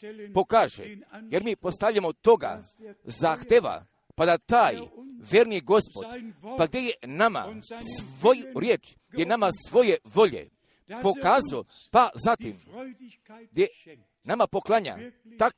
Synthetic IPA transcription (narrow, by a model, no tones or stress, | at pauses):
po̞kaːʒḛjeɾmipo̞st̪avlʎamot̪o̞ɡa̰ | zaːxt̪eʋa̰ | pad̪at̪aːjʋʲjeɾniɡo̞spo̞d̪paɡ̚d̪jejenama̰sʋojɾjeːt͡ʃ | ɡjenamasʋo̞jeʋo̞ʎḛ | po̞kaːzao | pazat̪im | ɡd̪je | namapo̞klˠaɲa̰ | t̪a